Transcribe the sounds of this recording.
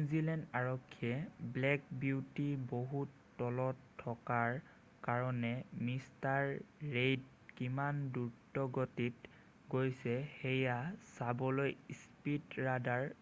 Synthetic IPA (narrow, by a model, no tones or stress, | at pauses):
nuzilɛndaɹɔkʰːiɛblɛk̚biwtiboɦutːɔlɔtʰːɔkaɹ | kaɹɔnɛmistaɹːejd | kimanduɹtɔɡotit | ɡojsɛxejasabɔlojspitɹadaɹ